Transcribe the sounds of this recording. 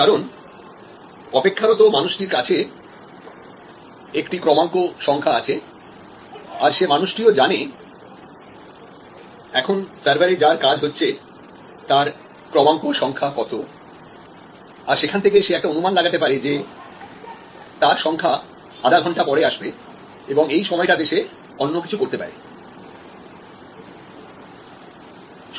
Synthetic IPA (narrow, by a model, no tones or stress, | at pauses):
kaɾon | ɔpekʰːaɾot̪omanuʃʈiɾkat͡ɕʰe | ekʈikɾɔmaŋkoʃɔŋkʰaat͡ɕʰe | aɾʃemanuʃʈiod͡ʑane | ɛkʰonsaɾbʱaɾed͡ʑaɾkad͡ʑɦotːɕʰe | t̪aɾ | kɾɔmaŋkoʃɔŋkʰakɔt̪ʰo | aɾʃekʰant̪ʰekeʃeɛk̚ʈaonumanlaɡat̪epaɾed͡ʑe | t̪aɾʃɔŋkʰa | aɖaɡʱɔɳʈapɔɽeaʃbe | eboŋejʃɔmɔeʈad̪eʃe | ɔnːokit͡ɕʰukoɾt̪epa̰ɾḛ